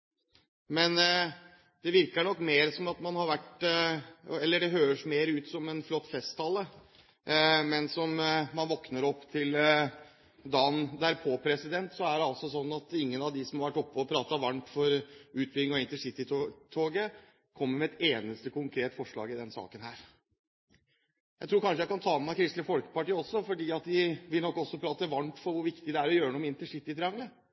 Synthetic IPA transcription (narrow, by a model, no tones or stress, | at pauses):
mɛn | d̪̥ɛʋɪɾkəɳɔkːmeːɾsɔmɑt̪mɑnhɑɾʋæʈ | ɛlːəɖɛɦøːɾəʂmeːɾəʉːt̪sɔmɛnflɔt̪ːfɛst̪ʰːɑlːə | mɛnsɔmmɑnʋɔknəɾɔpːt̪ʰɪl | d̪ɑːnd̪æɾpʰoːpʰɾɛsɪd̪ɛnt̪sɔæɖɛɑlsɔsɔnːɑt̪ɪŋːənɑʋd̪ɪsɔmhɑɾʋæʈːɔpːəɔpʰɾɑːt̪ɑʋɑnt̪fɔɾʉːt̪̚bɪlɪŋɔɪnt̪əʂɪt̪ːɪt̪ʰoːɡə | kʰɔmːəɾmɛɛt̪eːnəst̪əkʰʊŋkʰɾeːt̪fɔʂɭɑ̰ːɡɪd̪ɛnsɑ̰ːkənhæːɾ | jæɪt̪ʰɾuːɾkʰɑnʂəjæɪkʰɑnt̪ʰɑːmækʰɾɪst̪ləfɔlkə̥pɑʈiːɔsːɔfɔɖiːɑt̪d̪ɪʋɪlnɔkːɔsːɔpʰɾɑːt̪əʋɑnt̪fɔɾʋʊɾʋɪkt̪ɪd̪ɛæɾɔjøːɾəɳuːmɪnt̪əʂɪt̪ːɪt̪ʰɾɪɑŋlə